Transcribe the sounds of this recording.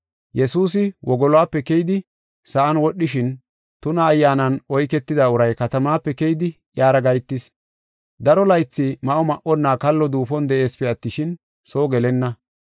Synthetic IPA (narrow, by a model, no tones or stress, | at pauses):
jɛsuːs̬ɪwʔɔɡɔlwaːpːɛkɛjd̪ɪ | sɐʔɐnwɔɗːɪʃɪn | t̪ʊnɐːjːaːnɐnɔjkɛt̪ːɪd̪aʊɾɐjkɐt̪ɐmaːpːɛkɛjd̪ɪ | jaːɾɐɡɐjt̪ːɪs | d̪ɐɾɔlɐjt͡sːɪmɐʔɔmɐʔɔnːaːkɐlːɔd̪uːfɔnd̪ɛʔe̞ːspɛɐt̪ːɪʃɪn | so̞ːɡɛlɛnːɐ